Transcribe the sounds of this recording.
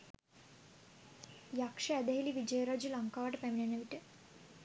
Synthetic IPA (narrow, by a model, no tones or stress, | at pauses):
jakʂɐːd̪ɐɦiliʋid͡ʒɐjɾad͡ʒulɐŋkaːʈpeminɐnɐʋiʈɨ